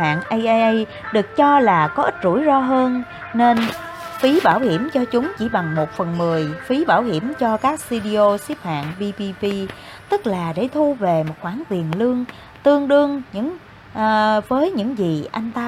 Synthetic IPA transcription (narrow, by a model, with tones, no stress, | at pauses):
ha̰ː˧˨nʔə˧jʔə˧ʔə˧j | ɗɨ˨˩ək̚t͡ɕɔ˧laː˨˩kɔ˨˦ʔï˦˥t̚zu˧˩˨jzɔ˧ɦəː˧nː | e˧n | fi˨˦ɓaː˧˩whi˧˩əmt͡ɕɔ˧t͡ɕʊ˨˦ŋ͡mt͡ɕi˧˩ɓa˨˩ŋmo˨˩t̚fə˨˩nmɨ˨˩əjfi˨˦ɓaː˧˩wɦi˧˩˨əmt͡ɕɔ˧kaː˦˥k̚si˧ɗi˧ʔo˧si˦˥p̚ha̰ː˧˨nvi˧pi˧pi˧ | t̪ɨ˦˥k̚laː˨˩ɗe˧˩t̪ʰu˧ve˨˩mo˨˩t̚xwaː˧˩ŋt̪wi˨˩ənlɨ˧əŋ | t̪ɨ˧əŋɗɨ˧əŋɲɨ̰˧˥ŋ | ʔːvəː˨˦jɲɨ̰˧˥ŋzi˨˩ʔa˧jŋ̟t̪aː˧